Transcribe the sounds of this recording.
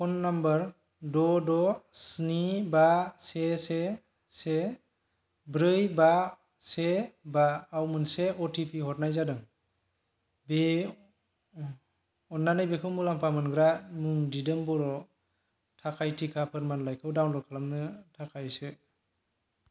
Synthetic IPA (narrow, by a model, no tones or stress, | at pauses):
kʰɔnːambəɾ | dɔdɔsnibasese | se | bɾɯjba | sebaːwmɯnseɔtʰipʰihɔt̚najzadɯŋ | be | ɔnːanajbekʰɯwmɯlampʰamɯnɡɾamuŋdidɯmbɔɾɔ | tʰakʰajtʰikʰapʰɯɾmanlajkʰɯwdawnlɔkʰalamnɯtʰakʰajsɯ